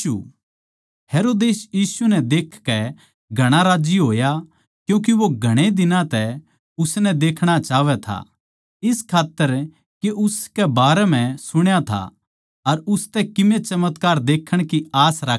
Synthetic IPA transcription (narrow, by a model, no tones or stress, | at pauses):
u | heːɾoːd̪eːsjiːsunɛd̪eːkʰkɛ | ɡʱɐɽ̃aɾaːd͡ʒiɦoːja | kjũːk̬iʋoɡʱɐɽ̃ed̪ɪnãt̪ɛ | ʊsnɛd̪eːkʰɽ̃at͡ʃaːʋɛt̪ʰa̰ | ɪskʰaːt̪ːəɾ | keʊskɛbaːɾɛm̤ɛ̃sʊɽ̃jat̪ʰa̰ | ɐɾʊst̪ɛkɪmẽt͡ʃɐmət̪kaːɾd̪eːkʰəɽ̃kiaːsɾa